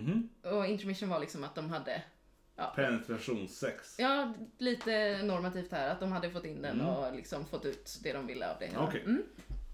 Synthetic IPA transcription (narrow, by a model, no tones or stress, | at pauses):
ɔɪnt̪ɾmɪʂənvaɭɪksɔmat̪̚d̪ɔmɦad̪ːə | jɑ̰ːpʰɛnɛt̪ʰɾaʂuːnsɛksjɑːliːt̪ənɔɾmat̪ʰiːft̪hæːɾat̪̚d̪ɔmhad̪ːəfɔt̪ːɪnːd̪ɛnːɔlɪksɔmfɔt̪ːʉ̟ːt̪d̪ɛd̪ɔmvɪlːə̰a̰vd̪ɛ̰kʰɛm̩ː